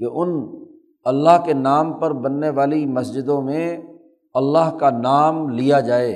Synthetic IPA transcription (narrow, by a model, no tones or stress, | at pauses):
keʔʊn | ɐlːaɦkenaːmpɐɾbɐnːeʋaːlimɐsd͡ʒɪd̪õmẽ | ɐlːaɦkanaːmlijad͡ʒaːeː